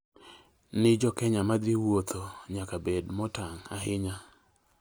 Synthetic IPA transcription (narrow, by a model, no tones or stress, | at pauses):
nɪd͡ʒɔkɛɲamad̪ɪwot̪ʰoɲakabedmɔtaŋaɦɪɲa